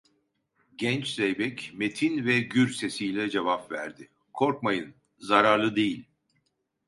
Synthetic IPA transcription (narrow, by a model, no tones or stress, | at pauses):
ɟɛnt͡ʃzɛjbɛcme̞t̪ʰinvɛɟyɾse̞sijlʲɛd͡ʒevapvæ̰ɾd̪ɪ | kʰo̞ɾk̚majɯn | zaɾaɾlˠɯd̪e̞jilʲ